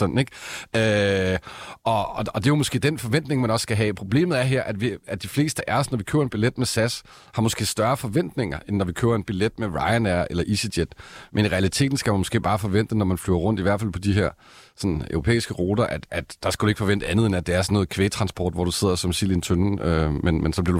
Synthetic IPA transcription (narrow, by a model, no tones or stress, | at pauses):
sɒ̽nn̩eɡ̥ø | ɒ̽ɒɒ̽d̥e̝jomɔsɡ̥e̝̰ːd̥enfɒ̽ʋen̰d̥ne̝ŋmænɒ̽sːɡ̥æɦɛːpʰʁo̝b̥le̝̰ːmð̩ˠæɐɦeɐ̰ʔæd̥ʋiæd̥ifle̝̰ːsd̥əʔæɐsnɒʋikʰø̰ːɐe̝nb̥iled̥mesæs | hɑ̈mɔ̽sɡ̥e̝̰ːsd̥ɶɐfɒ̽ʋen̰d̥ne̝ŋɐʔenːɒʋikʰøːɐe̝nb̥iled̥meʁɑ̈ɪænæɐʔelɐʔisəd̥jed̥mʔeniʁɛælit͡sʰe̝̰ːd̥n̩sɡ̥æmænmɔ̽sɡ̥e̝̰ːb̥ɑ̈ːfɒ̽ʋen̰d̥enɒmænflyːɐʁɔ̽n̰d̥iʋæɐd̥fæl̰pʰɒ̽d̥iɦeɐ̰ | sɒ̽nø̰ʊʁo̝pʰḛːisɡ̥əʁo̝ːd̥ɐʔæd̥æd̥ːɑ̈sɡ̥æd̥ue̝ɡ̥fɒ̽ʋend̥əænð̩ˠenæd̥eæɐsɒnːɔ̽ːð̩ˠkʰʋeːt͡sʰʁɑ̈nsb̥ɒ̰ːd̥ʋɒ̰d̥use̝ð̞̰ˠɐsɒ̽msilʋint͡sʰønømenmensɒb̥liɐɾu